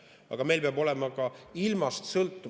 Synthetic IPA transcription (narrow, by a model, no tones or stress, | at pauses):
ɑ̰ɡ̥ɑme̞jlpeɑbo̞lɛmɑkɑilmɑst̪sɤlt̪ːˑu